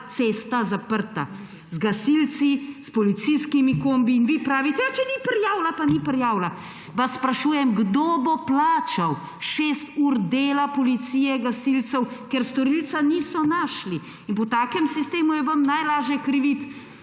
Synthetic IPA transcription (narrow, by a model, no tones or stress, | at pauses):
t̪seːst̪azapəɾt̪a̰ | zɡasilt̪sispɔlit̪sijskimikoːmbiːnʋiːpɾaːʋit̪ɛjat͡ʃɛnipɾjaːwlapanipɾjaːwla | ʋasːpɾaʃuːjɛmɡd̪oboplaːt͡ʃaw | ʃeːst̪uːɾd̪eːlapɔlit̪sijɛɡasilt̪sɛwkɛɾst̪ɔɾilt̪saniːsɔnaːʃli | inpɔt̪aːkɛmsist̪eːmujɛʋəmnajlaːʒjɛkɾiʋit̪